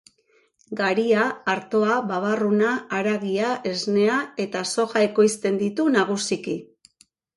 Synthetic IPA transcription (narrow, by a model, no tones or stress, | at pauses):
ɡaɾiaːɾt̪o̞aβaβarunaːɾaɣiaʔe̞zne̞ae̞t̪aso̞xae̞ko̞jst̪e̞nd̪it̪unaɣ̞usiki